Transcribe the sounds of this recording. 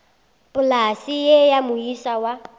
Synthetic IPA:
pʼʊlasijɛjamʊisawa

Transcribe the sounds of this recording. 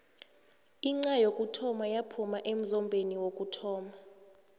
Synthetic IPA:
iŋ͡ǀajokʼutʰɔmajapʰumaʔem̩zɔmbʱeniwokʼutʰɔːma

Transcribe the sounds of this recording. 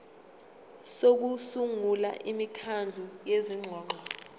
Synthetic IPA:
sok̬usuŋula̰ʔimikʰand͡ɮʱujeziŋ͡ǀʱɔːŋ͡ǃʱɔ

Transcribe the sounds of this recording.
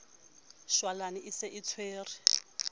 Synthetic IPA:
ʃwalanɪʔɪsɪʔit͡sʰweːrɪ

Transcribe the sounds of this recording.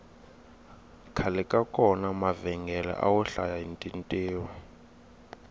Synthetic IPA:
kʰalɛkʼakʰʼɔnamavɛŋɡʱɛlɛ̰ʔa̰wɛɬajaintʼintʼiːwa

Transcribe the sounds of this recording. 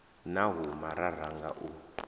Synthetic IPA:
naɦumaɾaɾ̤aŋɡaʔu

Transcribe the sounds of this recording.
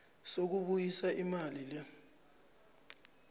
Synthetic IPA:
sok̬uɓujisaʔimalila

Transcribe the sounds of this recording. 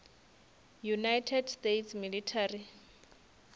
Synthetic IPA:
junajtʰɛdstetʰsmilitʰari

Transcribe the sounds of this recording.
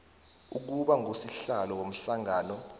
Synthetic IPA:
uk̬uɓaŋosiɬalɔk̬om̩ɬaŋaːnɔ

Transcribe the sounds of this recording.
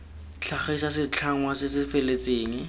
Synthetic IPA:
t͡ɬʰaχisasɪt͡ɬʰaŋwasɪsɪfelet͡seːŋi

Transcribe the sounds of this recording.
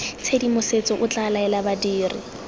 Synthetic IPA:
t͡sʰedimʊset͡sɔʔʊt͡ɬʼalaɛlabadiːrɪ̰

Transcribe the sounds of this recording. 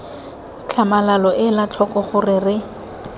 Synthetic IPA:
t͡ɬʰamalalɔʔɪlat͡ɬʰɔkɔχʊrɪrɪ

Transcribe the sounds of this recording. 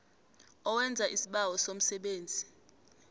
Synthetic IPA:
ɔwɛnd͡zʱaʔisiɓawɔsom̩sɛɓeːnd͡zʱi

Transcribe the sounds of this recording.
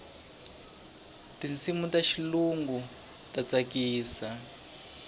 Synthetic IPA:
tinsimutaʃiluŋɡu | tat͡sakiːsa

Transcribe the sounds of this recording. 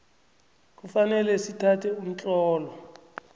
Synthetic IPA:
k̬ufanɛlɛsitʰatʰɛum̩t͡ɬʼɔːlɔ

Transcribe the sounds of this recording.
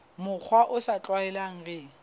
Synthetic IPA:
mʊk͡xʰwaʔʊsat͡ɬʼwaɛlaŋ̩ɣe

